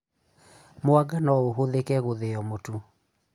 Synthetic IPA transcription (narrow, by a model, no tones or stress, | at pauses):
moaɡanɔoɦoðekɛɣoðeɔmotu